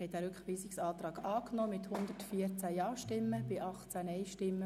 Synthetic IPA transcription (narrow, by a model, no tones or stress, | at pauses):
hɛtæːɾʏkχʋiːsɪksɑːt̪ɾɑːɡɑːknɔːmɪt̪hʊnd̪ətfiəɾt͡sæjɑːʃtɪmːəb̥ɪʔɑχt͡sænɛɪʃtɪmːə